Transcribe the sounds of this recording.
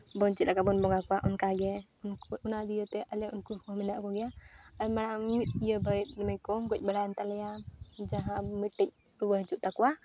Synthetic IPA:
bɔnt͡ʃit̪̚lakabɔnbɔŋakɔwaʔunkaɡɛ | unkunad̪ijət̪ɛʔalɛunkukɔmɛnaʔkɔɡɛjaajmaɽamit̪̚ijəbait̪̚nɛmajkɔmɡɔc̚baɽajnt̪alɛjad͡ʒaɦãmiʈːɛc̚ | ɾubəɦt͡ʃuʔt̪akuwa

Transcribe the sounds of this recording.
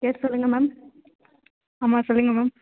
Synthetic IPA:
eːɾsɔlːɯŋɡɐmaːm | aːmaːsɔlːɯŋɡɐmaːm

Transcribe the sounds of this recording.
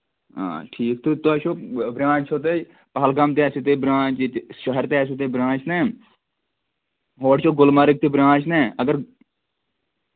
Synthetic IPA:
ã̰ːʈʰiːk̚t̪ut̪oʃoːbɾãːt͡ʃʰoːt̪eː | pəɦəlkamt̪eɛseːt̪eːbɾãːt͡ʃːʃəɦəɾt̪eːs̬et̪eːbɾãːt͡ʃnɛ̃ː | ɦoːʈt͡ʃʰoːɡʊlmaːɾɪk̚t̪eːbɾãːt͡ʃnɛːəɡəɾ

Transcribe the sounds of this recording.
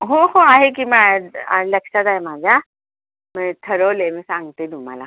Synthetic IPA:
ɦoɦoaɦek̬imɛ̃aləksad̪aːem̤aːd͡ʑa | mɛ̃t̪ʰəɾolemɛ̃sãŋɡt̪ed̪ʱũma̰la̰

